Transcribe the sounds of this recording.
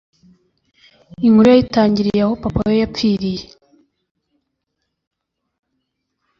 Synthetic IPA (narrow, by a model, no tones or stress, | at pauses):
iŋhuɾujaitaːɲɟiɾijahopapajojap͡fiːɾije